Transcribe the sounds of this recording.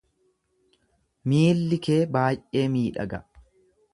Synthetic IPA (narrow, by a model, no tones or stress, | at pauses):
miːlːɪke̞ːbaːjʔe̞ːmiːᶑɐ̰ɡɐ